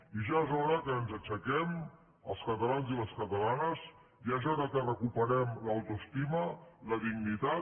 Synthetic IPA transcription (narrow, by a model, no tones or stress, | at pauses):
iʒaezɔɾəkəːnzət͡ʃəkɛm | ə̰lˠskət̪əlanziləskət̪əlanəz | iəʃɔðəkɛrəkupəɾɛmləwt̪uəst̪imələðiɡnit̪a